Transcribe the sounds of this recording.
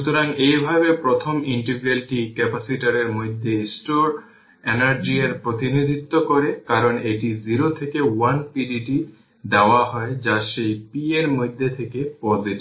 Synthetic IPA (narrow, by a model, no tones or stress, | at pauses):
ʃut̪oɾaŋejbʱabepɾɔt̪ʰɔmiɳʈeɡɾalʈikɛpasiʈaɾeɾmojd̪ʱːesʈoɾ | enaɾd͡ʑieɾpɾot̪inid̪ʱit̪ːɔkɔɾekaɾɔneʈiziɾot̪ʰekewanpiɖiʈi | d̪aoaɦɔed͡ʑaʃejpieɾmojd̪ʱːet̪ʰekepɔziʈi